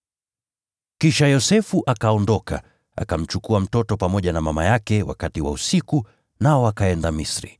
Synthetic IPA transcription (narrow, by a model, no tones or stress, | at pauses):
kiʃajɔsɛfuʔakaɔndɔkʰa̰ | a̰kam̩t͡ʃukuam̩tɔtɔpamɔʄanamamajakɛwa̰katiwa̰usiku | naɔakaɛndamisɾḭ